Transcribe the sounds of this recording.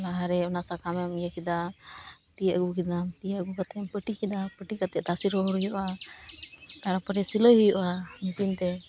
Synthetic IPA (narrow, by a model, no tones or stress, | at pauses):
laɦaɾɛɔnasakʰamɛmjəkid̪a | t̪ijəʔɡukid̪amt̪ijaʔɡukat̪ɛmpəʈikid̪apəʈikat̪ɛʔd̪asiɾɔɦɔɾujɔʔa | t̪aɾapəʈɛsiləɦujɔʔamisint̪ɛ